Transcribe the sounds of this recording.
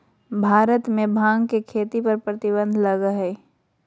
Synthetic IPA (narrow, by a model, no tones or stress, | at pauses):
bʱaːɾət̪mẽbʱãːŋɡkekʰeːt̪ipɐɾpɾət̪ɪbə̃nd̪ʱlɐɡəɦɛː